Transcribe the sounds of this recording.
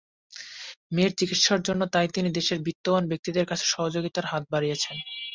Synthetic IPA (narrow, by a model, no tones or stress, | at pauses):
meɾt͡ɕikit̪ʃaɾd͡ʑonːot̪ajt̪inid̪eʃeɾbit̪ːobanbek̚t̪id̪eɾkat͡ɕʰe̥ʃɔɦod͡ʑoɡit̪aɾɦat̪̚baɾijet͡ɕʰen